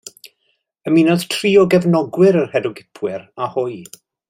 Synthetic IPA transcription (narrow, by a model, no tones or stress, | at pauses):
əminɔðtʰriːɔɡɛvnɔɡwɪɾərhɛdʊɡɪpʰwɪɾahʊj